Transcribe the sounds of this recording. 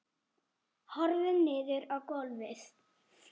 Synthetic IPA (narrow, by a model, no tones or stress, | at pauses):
hɔɾðɪnːɪːðʏɾawkɔlvɪs